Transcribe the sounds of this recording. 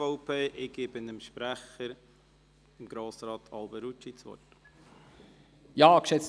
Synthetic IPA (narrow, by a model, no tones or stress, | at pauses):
ɔʊpʰeːʔɪɡ̥eːb̥ɪnəmʃpɾæχəɾ | ɪmɡ̥ɾoːsɾɑːt̪ʰɑlbɛɾut͡ʃːit͡sʋɔ̰t | jɑːkʃɛt͡s